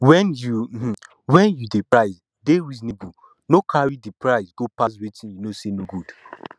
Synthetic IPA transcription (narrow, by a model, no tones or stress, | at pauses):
wɛ̃njum̩hm̩ | wɛ̃njudepɹaɪz | dewiznebu | nokʰaɹidipɹaɪzɡopas̬wetĩnjunosenoɡud̥